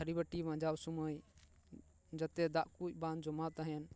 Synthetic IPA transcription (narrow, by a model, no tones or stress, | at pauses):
əɾibəʈimãd͡ʒabsuməj | d͡ʒət̪ed̪aʔkut͡ʃbãnd͡ʒɔmat̪əɦɛn